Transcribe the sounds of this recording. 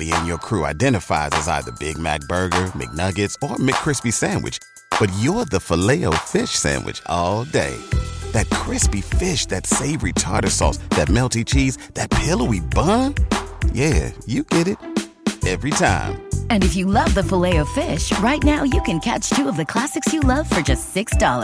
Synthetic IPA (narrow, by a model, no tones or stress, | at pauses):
biɨ̃njə˞kʰɹ̥ʉa̰ɪdɛ̃ɾ̃ɨfa̰ɪzɨzaɪðə̰˞bɪɡ̚mæ̰k̚b̥ɜ˞ɡə˞mɪ̰k̚nʌɡɨtsə˞mɪkʰɹ̥ɪspisæ̃nwɨ̰t͡ʃ | b̥ʌt͡ʃjə˞ðəfəleɪoʊfɪʃsæ̰̃nwɨ̰t͡ʃʔɔlˠdḛɪðɨt̚kʰɹ̥ɪspifɪʃðɨtseɪvɹitʰɑ̰ɹɾə˞sɔ̰sðɨt̚mɛlˠtit͡ʃʰizðɨt̚pʰɪlˠəibʌ̃njæjɨɡ̥ɛɾɪɾ | ɛvɹitʰã̰ɪ̃mɨ̃nɨfjɨlʌvðəfəleɪoʊfɪʃɹaɪtⁿnaʊjɨkɨ̃nkʰæ̰t͡ʃtʰʉʌvðɨkʰl̥æsɨksjɨlʌv̥fə˞d͡ʒʌstsɪksd̥ɑlˠə̰˞